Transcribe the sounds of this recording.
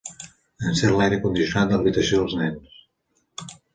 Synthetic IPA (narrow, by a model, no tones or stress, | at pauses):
ənsɛɾlajɾəkund̪isjunat̪̚d̪ələβit̪əsioðəlˠznɛns